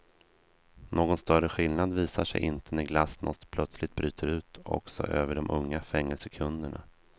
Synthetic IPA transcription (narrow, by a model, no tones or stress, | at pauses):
noːɡɔnst̪œrəɧɪlnad̪viːsaʂɛ̰jʔɪnt̪ʰənæɾɡlasnʔɔst̪pʰlœt̪slɪt̪̚bɾyːt̪ʰəɾʉ̟ːt̪ɔ̰ksɔ̰ʔøːvəɖɔmʔɵŋːafɛŋːɛlsəkʰɵnd̪əɳa̰